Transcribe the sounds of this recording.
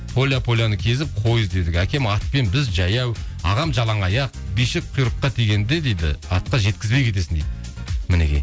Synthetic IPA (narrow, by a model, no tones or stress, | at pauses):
pʰo̞lʲjapʰo̞lʲjanəkʲʰe̞zɪp̚qʰo̞jəzd̪e̞d̪ɪkʲækʲe̞mɑt̪̚pe̞nbɪzʒɑjɑwɑ̰ʁɑmʒɑlˠɑɴɑjɑq̚bijʃɪk̚qʰʊjɾəqːɑt̪ʰeɡʲe̞nd̪e̞d̪e̞jd̪ɪ̰ɑt̪̚qɑʒe̞t̪̚kʲɪzbekʲʰe̞t̪̬e̞sɪnd̪ed̪mɪne̞̰kʲe̞̰